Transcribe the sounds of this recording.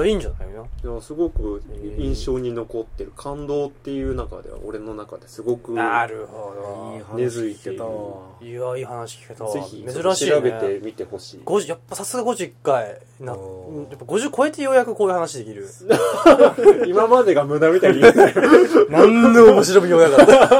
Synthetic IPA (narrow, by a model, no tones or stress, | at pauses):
aiːɲd͡ʑanajonanasɨɡo̞kɯ̟ĩɰ̃ɕo̞ːɲ̟ino̞ko̞t̪ːe̞ɾɯ̟kʰãnd̪o̞ːt̪ːe̞jɯ̟ːnaka̰d̪e̞̰βa̰oɾe̞no̞nakad̪e̞sɨɡo̞kɯ̟naɾɯ̟hod̪onezɨit̪eɯiaiːhanaɕi̥kʲi̥ket̪azeçimezɨɾaɕiɾabe̞t̪e̞mʲit̪e̞ho̞ɕiːɡ̥oʑjapːasasɨɡaɡo̞ʑoikːai | nãjapːaɡo̞ʑɨkoe̞t̪e̞jo̞ːjakɯ̟koːjɯ̟hanaɕid̪e̞kʲiɾɯ̟ | imamad̪e̞ɡamɯ̟namʲit̪ai | nãnːeomoɕiɾomɯ̟joːjaka